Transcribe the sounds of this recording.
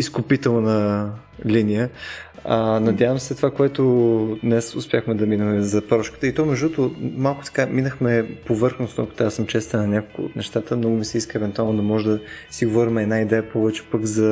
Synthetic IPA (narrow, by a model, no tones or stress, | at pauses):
iskʊpit̪ɛlˠnə | linijəənɐd̪javəmsɛt̪ovakoɛt̪ʊd̪nɛsʊspʲjaxmɛd̪ɐminəmɛzɐpɾɔʃkə̥t̪əit̪ɔmɛʒd̪ut̪omalˠkʊ̥t̪ɐ̥kaminəxmɛpovɤɾxnosno̰kə̥t̪asəmt͡ʃɛst̪ɛnɐnʲakolˠkʊ̰t̪nɛʃt̪at̪əmnɔɡʊmisɛiskəɛvɛnt̪ualˠnod̪ɐmɔʒɛd̪ɐsiɡovɔɾimɛɛd̪naid̪ɛjəpɔvɛt͡ʃɛ̥pəɡzɐ